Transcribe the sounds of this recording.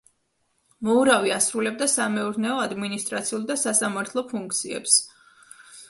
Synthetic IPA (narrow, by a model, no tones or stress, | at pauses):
mɔuɾaviasɾulɛb̚d̪asamɛuɾnɛɔad̪minist̪ʼɾat̪sʰiulˠd̪asasamaɾt̪ʰlˠɔpʰuŋk̚ʰt̪sʰiɛ̰ps